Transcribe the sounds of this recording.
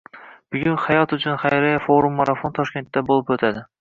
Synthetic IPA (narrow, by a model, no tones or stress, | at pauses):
bɪɡʲʊnχajɒt̪ʊt͡ʃʰʊnχajɾajafoɾumːaɾafont̪ʰɒʃkʲe̞nt̪ːabolˠɪpot̪ʰad̪ɪ